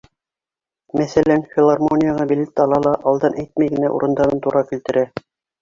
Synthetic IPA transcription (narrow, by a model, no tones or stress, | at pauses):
mæθælænfʲɪlˠɑrmonʲɪjaʁɑbilɘt̪ːɑlˠɑlˠɑʔɑlˠd̪ɑnʔæjt̪̚mæjɡɘ̆næʔṵɾɤ̆nd̪ɑɾɤnt̪uɾɑkɵ̆lt̪ɘ̆ɾæ